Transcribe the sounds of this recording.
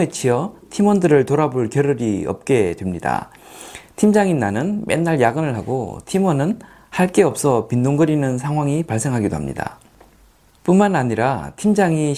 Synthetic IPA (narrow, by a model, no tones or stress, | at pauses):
et͡ɕʰiʌtʰimʌndɯɾɯɭtoɾaboɭkjʌɾɯɾiʌ̰p̚k͈e̞dwe̞mɲida̰ | tʰimd͡ʑaŋinːanɯnmʔe̞̰nːaɭjaɡɯnɯɭɦaɡo̰tʰimʌnɯn | haɭk͈e̞ʌp̚s͈ʰʌpindoŋɡɯɾinɯns̬ʰaŋɦwaŋipaɭs͈e̞ŋɦaɡidoha̰mɲḭda̰ | p͈unmanaɲiɾatʰimd͡ʑaŋi